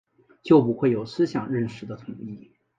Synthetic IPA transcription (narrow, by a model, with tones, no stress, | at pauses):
t͡ɕjo˥˩ʊpu˧˥xwe˥˩ɪjo˨˩ʊsɹ̩˥ɕjɑ˨˩ŋɻə˥˩nʂɻ̩˧˥d̪ə˧t̪ʰʊ˨˧˩ŋi˥˩